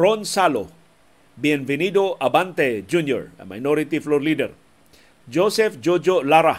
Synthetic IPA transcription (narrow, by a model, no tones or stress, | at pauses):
ɾonsalo̰ | biɛnvɛnid̪oʔabant̪ɛd͡ʒunjɔ̰ɾ̰ma̰jnoɾit̪iflɔɾlid̪ɛ̰ɾ | d͡ʒosɛfd͡ʒod͡ʒolaɾa